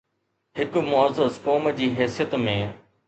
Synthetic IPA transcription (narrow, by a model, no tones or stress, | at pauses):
hɪkmʊəzəzkoːməd͡ʑiːɦɛːsijət̪mẽː